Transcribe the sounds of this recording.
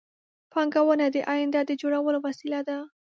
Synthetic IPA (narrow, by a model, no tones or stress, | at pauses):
pɑŋɡawənad̪əʔajɪnd̪ad̪əd͡ʒoɽawəlowasilad̪a